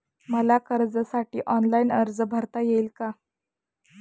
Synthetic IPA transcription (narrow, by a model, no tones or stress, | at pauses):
məlakəɾd͡zəsaʈiːʔɔnlaiːnəɾd͡zəbʱəɾt̪ajeiːlka